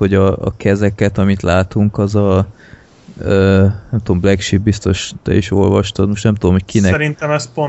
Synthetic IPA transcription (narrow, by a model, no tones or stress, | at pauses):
ho̞ɟɒ̰ːkɛzɛkɛt̪ɒmit̪laːt̪uŋkɒzɒ | øːnɛmt̪ud̪omblɛkʃit̪̚bist̪o̞ʃt̪ɛ̰iʃo̞̰lvɒʃt̪od̪moʃt̪nɛmt̪ud̪omɦockʰinɛɾint̪ɛmɛspo